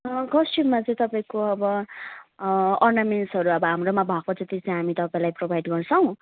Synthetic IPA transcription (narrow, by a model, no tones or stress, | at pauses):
kʌsʈibmat͡sʌ̃j̃t̪ʌpaĩkoʌbʌ | ʌrnamensɦʌɾuʌbʌɦamromabʱaɡ̚pʌt͡sʌt̪it͡sʌĩɦamit̪ʌpaĩlajprobʱajɖɡʌrt͡sʰʌw̃